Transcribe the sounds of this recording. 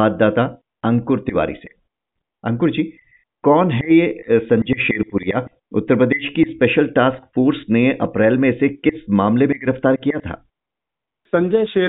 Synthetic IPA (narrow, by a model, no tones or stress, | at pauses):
aːd̪̚d̪aːt̪a | ɐ̃ŋkʊɾt̪ɪʋa̰ːɾḭse | ɐ̃ŋkʊɾd͡ʒiː | kɔːnɦɛjesɐ̃ɲd͡ʒɐjʃeːɾpʊɾija | ʊ̰t̪ːəɾpɾəd̪eːʃkispeːʃəlʈaːskfoːɾsneʔɐ̰pɾɛːlmẽɪsekɪsmaːmlemẽɡɪɾəft̪aːɾkijat̪ʰa̰ː | sɐ̃ɲd͡ʒəʃeː